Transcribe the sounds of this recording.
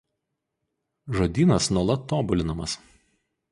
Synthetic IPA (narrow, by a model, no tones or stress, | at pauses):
ʒoːd̪ʲiːnɐsnuɔlˠɐt̪ːoːbʊlʲɪnɐmɐs